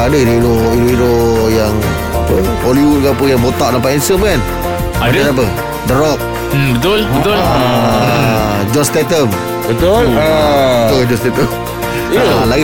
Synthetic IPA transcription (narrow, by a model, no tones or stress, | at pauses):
adəiɾoiɾoiɾoiɾojaŋ | apə | holiwut̚kaapəjaŋbot̪aʔdap̬aʔinsəmkan | aadadap̬ə | dəɾɔk̚ | bət̪ʊlbət̪ʊla | d͡ʒɔst̪ɛt̪əm | bət̪ʊlabət̪old͡ʒɔst̪et̪əm | ala